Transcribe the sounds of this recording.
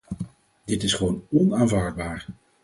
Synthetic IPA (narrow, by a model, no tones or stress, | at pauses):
dɪtɪsχəʋownɔnaːnvaːɹd̚baːɹ